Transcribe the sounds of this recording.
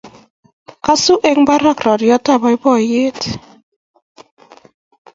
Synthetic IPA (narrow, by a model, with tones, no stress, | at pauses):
ka˦su˦ʔe˦ŋba˦ɾa˦kɾɔ˨tjɔ˦ta˦˨ba˨˦jbɔ˦˨je˦t